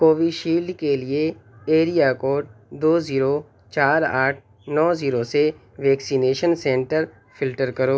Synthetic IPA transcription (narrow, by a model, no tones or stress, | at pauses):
koːʋiʃiːlɖkelieeːɾijakoːɖd̪oːziːɾo | t͡ʃaːɾaːʈʰ | nɔːziːɾose | ʋɛːksineːʃənsɛ̃ːɳʈəɾ | fɪlʈəɾkɐɾoː